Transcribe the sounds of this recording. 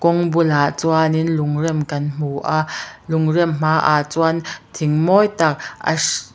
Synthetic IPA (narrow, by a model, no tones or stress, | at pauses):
kɔŋbulat͡suaninlʊŋrɛmkɐnm̥uʔlʊŋrimm̥aːʔaːt͡swant̪ʰiŋmɔjt̪ak̚ɐ̰